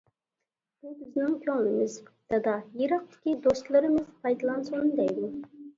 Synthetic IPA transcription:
b̥ubɪznɪŋkʲʰøŋlɪmɪzpt̪ɑd̪ɑjiɾɑq̚t̪ʰɪ̥kʲid̪ost̪lˠɨɾɪmɪzpʰɑjd̪ɑlˠɑnsond̪ɛjd̪u

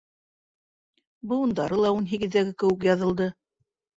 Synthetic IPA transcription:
bɤ̆wŭnd̪ɑɾɤlˠɑunɦiɡɘ̆ðːæɡɘkɘ̆wɘk̬jɑðɤ̆lˠd̪ɤ

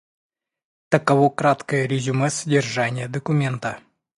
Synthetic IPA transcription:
t̪əkɐvokɾat̪kəjəɾʲɪzʲuməsədʲɪrʐanʲɪjəd̪əkʊmʲent̪ə

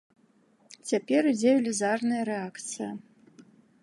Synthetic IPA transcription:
t͡sʲapʲɛɾɨd͡zʲelʲɪzarnɨjɐɾɛakt̪sɨjɐ

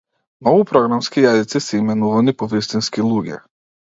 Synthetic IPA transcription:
nɔvupɾɔɡɾamskijazit̪sisɛimɛnuvanipɔvist̪inskilˠuɡʲɛ̰

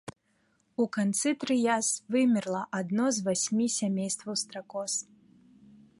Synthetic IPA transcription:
ukant̪sɨt̪ɾɨjasvɨmʲirlˠɐʔad̪nɔzvasʲmʲisʲamʲejst̪vɐwst̪ɾakɔs

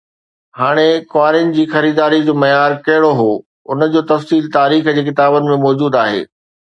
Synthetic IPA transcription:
haːɽ̃ekʋaːɾɪnd͡ʑiːxɐɾiːd̪aːɾid͡ʑoːmɐjaːɾkɐɦɪɽoɦoː | ʊnə̆d͡ʑoːt̪ɐfsiːlt̪aːɾiːxd͡ʑeːk̬ɪt̪aːbənɪ̆mẽmɔːd͡ʑuːd̪aːɦḛː

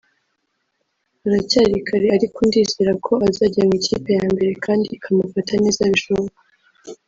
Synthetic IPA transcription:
aɾacaːɾikʰaɾeaɾikundiːziɾakʰo̞azaːɟamicʰḭːpe̞jaːmbe̞ɾe̞kʰaːndikʰamufatʰane̞ːzaβiʃoβoa

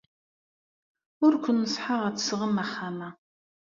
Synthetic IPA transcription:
ʊɾkʷʊnːəsˤħəʁæt͡sːsʁəmæχːamæ

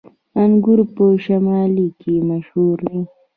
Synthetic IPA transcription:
aŋɡʊɾpoʃamɑːlikemaʃhuɾd̪e

